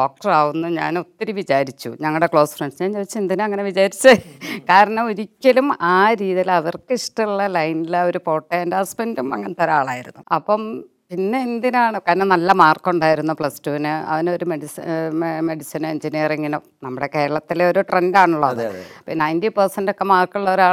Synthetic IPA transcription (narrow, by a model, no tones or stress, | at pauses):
ɖo̞ːk̚ʈɐraːʋunːuɲa̰ːnut̪ːɐɾiʋid͡ʑaːɾit͡ɕːṵɲɐŋːɐɭɨɽekɭo̞ːsfreɳɖsɲaːnt͡ɕoːit͡ɕːɐend̪inɨɐŋːɐne̞ʋid͡ʑaːɾit͡ɕːɐkaːɾɐɳɐmoɾikʲːɐlumaːɾiːðilɐʋɐrkɨiʂʈɐɭːɐlɐjnilɐoɾupo̞ːʈːeendɐspendumɐ̰ŋːɐnet̪ɐɾaːɭaːjiɾunːuɐpːɐm | pinːe̞ːnd̪inaːɳɨkɐnːɐnɐlːɐmaːrkːuɳɖaːjiɾunːupɭɐstuʋinɨɐ̰ðinoɾumeɽisme̞ɽisineɲd͡ʑinijɐriŋːino | nɐmːuɽeke̞ːɾɐɭɐt̪ːileo̞ɾuʈrendaːɳuɭːɐɐðɨpinɐjndipɐrsɐndokːemaːrkːuɭːɐoɾaːɭ